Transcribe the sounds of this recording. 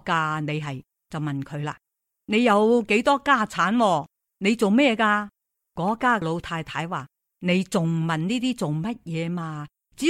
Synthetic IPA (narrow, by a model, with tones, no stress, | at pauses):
kaː˧ne˨˧jɦɐ˨j | t͡sɐ˨wmɐ˨nkʰɵ˨˧ɥla̰ː˧˥ | ne˨˧jjɐ˨˧wke˨˥jt̪ɔː˥kaː˥˩t͡sʰaː˨˥nwɔː˧ | ne˨˧jt͡so˨wmɛː˥jɛː˨˧kaː˧ | kɔː˨˥kaː˥lo˨˧wt̪ʰaː˧jt̪ʰaː˨˥jwaː˨ | ne˨˧jt͡sʊ˨ŋmɐ˨nniː˥t̪iː˥t͡so˨wmɐ˥t̚jɛː˨˧maː˧ | t͡siː˨˥